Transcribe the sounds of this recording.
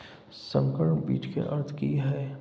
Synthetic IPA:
sə̰̃ŋkəɾəɳbḭːt͡ʃʰkḛʔɐɾt̪ʰkiɦɛː

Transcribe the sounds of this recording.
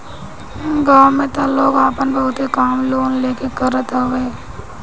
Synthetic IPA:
ɡaːmẽt̪aloːɡaːpənbɐɦʊt̪ekaːmloːnleːkekɐɾət̪aeː

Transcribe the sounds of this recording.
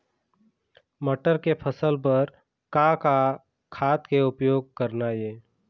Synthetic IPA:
məʈəɾkepʰəsəlp̬əɾ | kaka | kʰaːt̪keʊpjoːɡ̚kəɾnajeː

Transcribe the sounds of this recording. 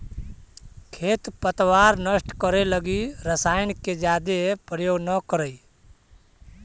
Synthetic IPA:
kʰeːt̪pət̪waːɾnəsʈkəɾeləɡiɾəsaːjnked͡ʒjaːd̪epɾəjoːɡnəkəɾəi

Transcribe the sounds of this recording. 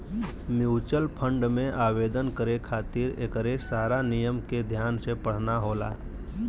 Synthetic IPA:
mjuːt͡ʃəlpʰə̃ɳɖmẽʔaːʋeːd̪ənkəɾekʰaːt̪ɪɾḛkəɾesaːɾanɪjəmked̪ʱjaːnsepəɽ̤naɦoːla̰ː

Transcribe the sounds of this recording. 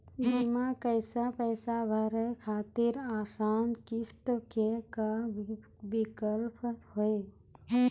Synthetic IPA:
bimakəɪsapəjsabʱəɾəjkʰaːt̪ɪɾaːsaːnkist̪əkeka | bikəlpəhoe

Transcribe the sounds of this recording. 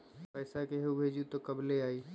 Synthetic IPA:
pəɪsakeɦeubʱeːd͡ʒit̪okəbʱleaːi

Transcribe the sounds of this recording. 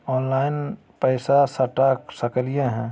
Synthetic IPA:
ɔːnlaːɪn | pɛɪsasɐʈaːksəkəlijãɦɛ̃ː

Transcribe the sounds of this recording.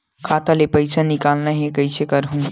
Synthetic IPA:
kʰat̪alepəjsʰənikalnəɦekəjsekəɾɦũ

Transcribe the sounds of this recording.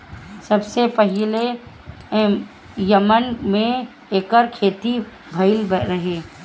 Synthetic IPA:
sɐbsepəɦɪle | jɐmənmẽ | eːkəɾkʰeːt̪i | bʱɐɪlbɾɐɦeː

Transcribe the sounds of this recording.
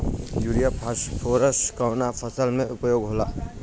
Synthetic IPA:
juɾijapʰpʰoːɾəsʈkəːnapʰəsəlmẽʔʊpjoːɡɦoːlaː

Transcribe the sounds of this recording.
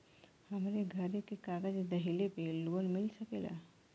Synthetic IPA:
həmɾeɡʱəɾekːekaɡad͡ʑid̪əɦilepelonmilsəkela̰

